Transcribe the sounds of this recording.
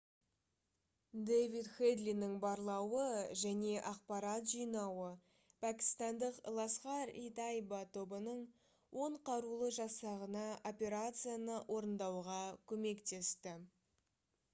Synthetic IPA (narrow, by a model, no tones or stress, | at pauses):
d̪ejvit̪χed̪linɪŋbɑɾlˠɑwəʒæne̞ʔɑq̚pɑɾɑt̪ʒijnɑwə | pʰækʲi̥st̪ɑnd̪əqlˠɑsqɑɾḭt̪ajbat̪ʰobənəɴ | wʔo̞ɴqʰɑɾulˠəʒɑsɑʁənɑʔo̞pʲe̞ɾat̪sɨjanəʔwʔo̞ɾənd̪ɑwʁɑkʲʰɵme̞kt̪e̞st̪ɪ